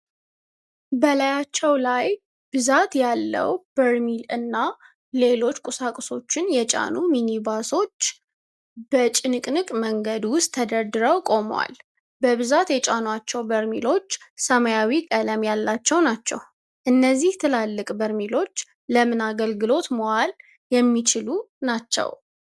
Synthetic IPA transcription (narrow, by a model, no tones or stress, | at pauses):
bəlajat͡ʃːɛwlaj | b̥ɨzat̪jalːə̰wb̥əɾmilɨnːa | le̞lo̞t͡ʃːkʼʊsakʼso̞t͡ʃːɪnjɛt͡ʃʼa̰numinibaso̞t͡ʃː | bət͡ʃʼɪnɨkʼnɨkʼməŋɡəd̪wʊst̪ʰːəd̪əɾd̪ɨɾəwkʼo̞mwa̰l | bəβɨzat̪jɛt͡ʃʼanwat͡ʃːɛwbəɾmḭlo̞t͡ʃːsəməjawikʼələmjalːat͡ʃːɛwnat͡ʃːɛ̰w | ʔɨnːəzːiht̪ʰɨlalːɨkʼbəɾmilo̞t͡ʃː | ləmɨnaɡəlɡɨlo̞t̪moal | jɛmːit͡ʃʰɪlunat͡ʃːɛ̰w